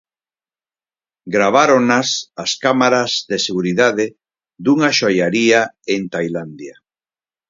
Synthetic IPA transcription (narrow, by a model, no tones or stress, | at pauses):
ɡɾaβ̞aɾonasaskamaɾazðeseɣuɾiðaðe | ðd̪uŋaʃojaɾiaent̪ajland̪ja